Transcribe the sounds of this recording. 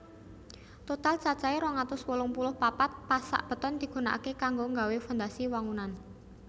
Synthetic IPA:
t̪ot̪alt͡ʃat͡ʃaeɾɔŋat̪ʊswolʊŋpulʊhpapat̪̚pasa̰ʔb̥ə̤t̪ɔnd̪̥i̤ɡ̥ṳnaʔakekaŋɡoŋɡawefɔnd̪asiwaŋunan

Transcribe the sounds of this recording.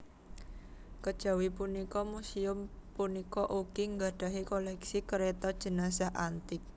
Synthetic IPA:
kəd̥ʒ̥a̤wipunikɔmusiʊmpunikɔʔuɡ̥iŋɡaɖ̥ä̤ɦikolɛksikəɾet̪ɔd̥ʒ̥ə̤nas̬aɦant̪ɪk̚

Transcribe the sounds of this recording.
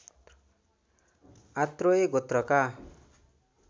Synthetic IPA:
at̪roeɡot̪rʌka

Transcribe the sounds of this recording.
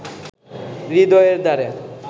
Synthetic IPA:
ɾid̪ɔeɾd̪aɾe

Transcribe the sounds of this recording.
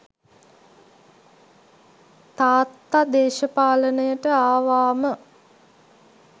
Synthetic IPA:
t̪aːt̪ːad̪eːʃəpaːlənəjəʈəaːʋaːmə

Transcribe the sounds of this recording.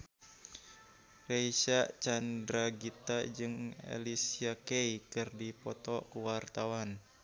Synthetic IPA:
reiʃaʔt͡ʃandɾaɡit̪ad͡ʒɨŋḛlisiakeikɨrdipɔt̪ɔkuwart̪awan

